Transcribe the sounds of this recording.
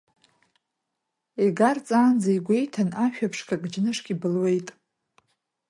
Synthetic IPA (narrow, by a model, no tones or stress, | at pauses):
eɡart͡sʼaːnd͡zaiɡʷe̞jtʰɨnaʃᶣapʰʂkʰaɡʼd͡ʒnɨʂkʲʼibɨlwe̞jtʼ